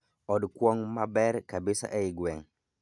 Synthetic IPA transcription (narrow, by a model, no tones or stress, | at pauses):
ɔdkwɔŋmabɛɾkabɪsa̰ʔɛɪɡwɛŋ